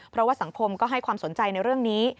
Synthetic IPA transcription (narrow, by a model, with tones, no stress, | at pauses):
pʰɾɔ˦˥waː˥˩sa˩˦ŋkʰo˧mkɔː˥˩ɦa˥˩jkʰwaː˧mso˩˦nt͡ɕa˧jna˧jɾɯ˥˩əŋniː˦˥